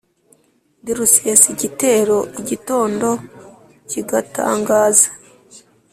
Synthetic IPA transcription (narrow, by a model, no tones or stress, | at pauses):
diɾusijasiɟite̞ːɾo̞ʔiɟito̞ːndo̞ | ciɡata̰ːŋɡaːzḁ